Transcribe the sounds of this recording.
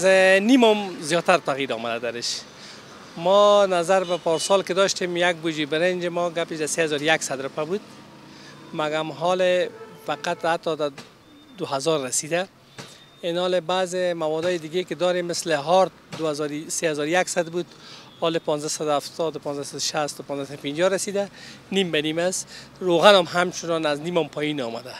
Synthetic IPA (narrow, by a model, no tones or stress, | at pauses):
znimɔmzjɔt̪aɾt̪aɣiɾɔ̰mad̪ad̪aɾɪʃ | mɔnazaɾbapɔɾsɔlkɪd̪ɔʃt̪emjaɡ̚bud͡ʒibɪɾend͡ʒɪmɔɡapɪʃd̪aseazɔɾjaksad̪ɾʊpabud̪ | maɡamɦɔlɪfaqat̪hat̪ːɔd̪a | d̪ʊhazɔɾːasid̪a | enɔlɪbazemawɔd̪ɔjed̪ɪɡekɪd̪ɔɾemːɪslɪɦɔɾt̪̚d̪uazɔɾsehazɔɾjaksad̪bud̪hɔlɪpɔnzd̪asad̪ʊaft̪ɔd̪ʊpɔnzd̪asad̪ʊʃast̪ʊpɔnzasad̪ʊpind͡ʒɔɾasid̪animbanimasɾoɣanɔmɦamt͡ʃʰunɔnaznimɔmpʰɔjinɔmad̪a